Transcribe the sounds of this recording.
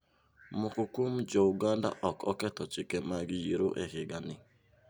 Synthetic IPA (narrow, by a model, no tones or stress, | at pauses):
mʊkʊkum̩d͡ʒoʊɡanda̰ʔɔkɔkɛtɔt͡ʃɪkemaɡɪjiɾoʔeɦɪɡanɪ